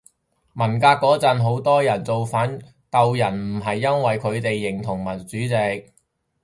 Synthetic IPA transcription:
mɐ˨˩nkaː˧kːɔː˨˥t͡sɐ˨nɦo˨˥wt̪ɔː˥jɐ˨˩nt͡so˨wfaː˨˥n | kɐ˨wjɐ˨˩nm̩˨˩ɦɐ˨jːɐ˥nwɐ˨jkʰɵ˨˧ɥt̪e˨jːɪ˨˩ŋt̪ʰʊ˨˩ŋmɐ˨˩nt͡syː˨˥t͡sɪ˨˧k̚

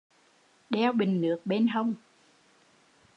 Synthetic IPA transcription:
ɗɛ˧wɓï˨˩ŋ̟nɨ˨˦ək̚ɓe˧nɦə˧wŋ͡m

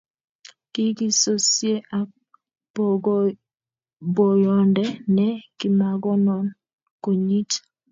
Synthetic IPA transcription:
ki˦ki˦so˦sje˦ʔa˨ | bɔ˨jɔ˨ndɛ˦nɛ˦ki˨ma˨ɡɔ˦nɔ˨n | ko˨ɲi˦t

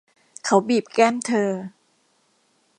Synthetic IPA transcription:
kʰa˦˥wbiː˨˩p̚kɛ˥˩nt̪ʰɤː˧

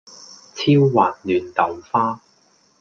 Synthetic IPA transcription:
t͡sʰiː˥wːaː˨n̚lyː˨˩nt̪ɐ˨˥wfaː˥

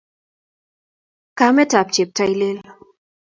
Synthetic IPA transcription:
ka˨˦mɛ˦ta˨p̚t͡ʃe˨p̚ta˧˨jle˦l

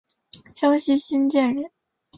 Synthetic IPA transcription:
ɕjɑ˥ŋɕi˥ɕi˥nt͡ɕjɛ˥˩nɻə˨˧˥

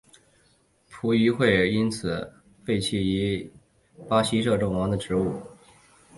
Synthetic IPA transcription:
pʰu˧˥y˧˥xwe˥˧ɪi˥nt͡sʰɹ̩˨˩˦ | fe˥˧ɪt͡ɕʰi˧˥˩i˧˥ | pa˥ɕi˥ʂɤ˥˧ʈ͡ʂʊ˥˩ŋwɑ˧˥ŋd̪ə˨ʈ͡ʂɻ̩˧˥u˥˩

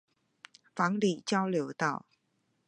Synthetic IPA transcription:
fa˨˥˦ŋli˨˩t͡ɕa˥˧wle˨˩˦wt̪a̰˥˨˩w

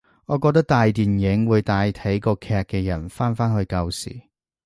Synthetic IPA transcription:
ŋɔː˨˧kɔː˧k̚t̪ɐ˥k̚t̪aː˧jt̪iː˨njɪ˨˥ŋwuː˨˧jt̪aː˧jt̪ʰɐ˨˥jkɔː˧kʰɛː˧k̚kːɛː˧jɐ˨˩nfaː˥nfaː˥nhɵ˧ɥkɐ˧wsḭː˨˩

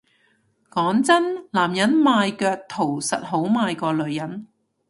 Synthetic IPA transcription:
kɔː˨˥ŋt͡sɐ˥nlaː˨˩mjɐ˨˥nmaː˧jkœː˧k̚t̪ʰo˨˩wsɐ˨t̚ɦo˨˥wmaː˧jkɔː˧lɵ˨˧ɥjɐ˨˥n

